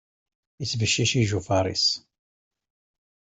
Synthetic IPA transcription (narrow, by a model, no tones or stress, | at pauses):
it͡sːvəʃːiʃiʒufɑɾˤḭs